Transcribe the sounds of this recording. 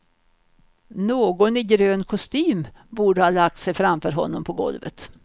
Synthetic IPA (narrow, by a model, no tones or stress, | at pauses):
noːɡɔnɪɡɾøːnkʰɔst̪yːmbuːɖəhɑːlak̚t̪sɛjfɾamfœːɾɦɔ̰nːɔmpʰɔɡɔ̰lvə̰t̪